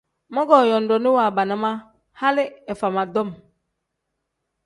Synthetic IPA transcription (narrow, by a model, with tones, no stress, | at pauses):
mɔ˦ɡɔ˨jɔ˨n˨dɔ˨ni˦wa˨ba˨na˦ma˦ | ha˦lɪ˦ɛ˨fa˨ma˨dɔ˦m